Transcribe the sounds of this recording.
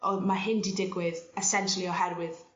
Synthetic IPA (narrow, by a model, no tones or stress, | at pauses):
ɔmaɦɪndidɪɡwɨðɛsɛnʃəlˠiɔhɛɾwɨð